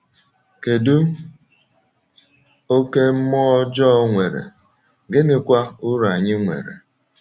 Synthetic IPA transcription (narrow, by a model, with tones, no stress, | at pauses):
ke˨du˦ | o˦ke˦m̩˦mɔ˦d͡ʒɔ˦ŋʷe˨ɾḛ˨ | ɡɪ˦nɪ˦kʷa˦ʊ˦ɾa˨ɲɪ˦ŋʷḛ˨ɾḛ˨